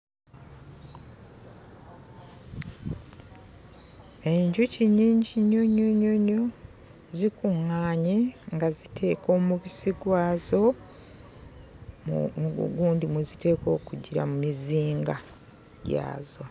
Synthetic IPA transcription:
e̞ɲɟuciɲiːɲɟiɲoɲoɲoɲo | zikuŋːaːɲeŋɡazitʰe̞ːko̞ːmuβisiɡwaːzo̞ | m̰muṵɡuːndimwuzite̞ːko̞ːkuɟiɾa̰mumiziːŋɡa | ɟa̰ːzo

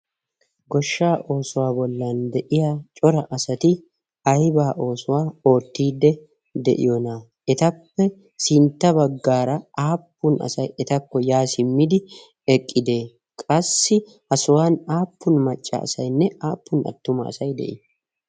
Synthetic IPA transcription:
ɡɔʃːaːʔo̞ːsʊwaːbɔlːaːnd̪ɛʔɪjat͡ʃʼɔɾɐʔɐsɐt̪ɪ | ɐjbaːʔo̞ːsʊwaːo̞ːt̪ːiːd̪ːɛ | d̪ɛ̰ʔɪ̰jɔnaː | ɛt̪ɐpːɛ | sɪnt̪ːɐbɐɡːaːɾɐaːpːʊnɐ̰sɐjɛt̪ɐkːɔjaːsɪmːɪd̪ɪ | ɛkʼːɪd̪eː | kʼɐsːɪ | hɐsʊwaːnaːpːʊnmɐt͡ʃʼːa̰ɐ̰sɐjnːɛʔaːpːʊnɐ̰t̪ːʊmɐ̰ɐ̰sɐjd̪ɛ̰ʔɪ

